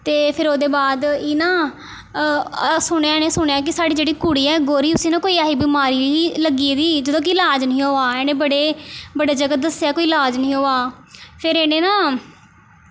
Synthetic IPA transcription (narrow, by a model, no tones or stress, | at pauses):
t̪eːpʰɪɾoːd̪eːbaːd̪inãː | sʊɳ̃eaːnẽːsʊɳeaːkɪsaːɖiːd͡ʒeːɽiːkuːɽiːɛːɡoːɾiːʊsĩːnãːkoːiːaːɦiːbɪmaːɾiːiːləɡiːd̪iːd͡ʒəd̪õːk̬ɪɪlaːd͡ʒnəĩːɦoːaːɛːnẽːbəɽeːbəɽeːd͡ʒəɡəd̪əsejaːkoːiːlaːd͡ʒnəĩːɦoːaː | pʰɪɾeːneːnãː